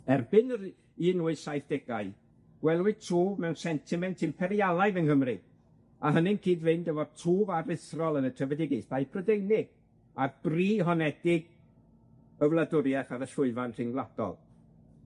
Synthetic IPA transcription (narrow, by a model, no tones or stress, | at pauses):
ɛrbɪn | iːnuːɨsajθd̥ɛɡaɨ | ɡ̥wɛlˠwʊɨtʰuːbmɛwnsɛntʰɪmɛntʰɪmpʰɛɾjalˠajvənhəmrɨ | aɦənɪnkʰiːdvɨndəvɔd̥tʰuːvarɪθrɔlˠənətʰəvədɪɡɪsd̥ajpʰrɔdejnɪɡ̥ | ab̥riːɦɔnɛdɪɡ | əvlˠadʊɾjaχaðəʃʊɨvanr̥ɪŋɡlˠad̥ɔ̰lˠ